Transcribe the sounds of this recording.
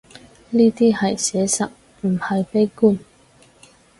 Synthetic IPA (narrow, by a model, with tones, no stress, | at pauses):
niː˥t̪iː˥hɐ˨jsɛː˨˧˥sɐ̰˨˩t̚ | m̩˨˩hɐ˨jpe˥jkuː˥˩n